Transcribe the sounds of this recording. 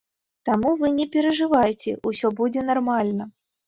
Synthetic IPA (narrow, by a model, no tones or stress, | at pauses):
t̪amuvɨnʲɛpʲɛɾɐʐɨvajt͡sʲɛ̰ʔusʲɔbud͡zʲɛnarmalʲnɐ